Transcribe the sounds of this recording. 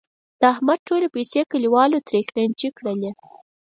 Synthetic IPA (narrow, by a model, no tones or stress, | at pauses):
d̪̥əahmad̪̚ʈolepejsekəliwɑlot̪ɾexnant͡ʃikɽəle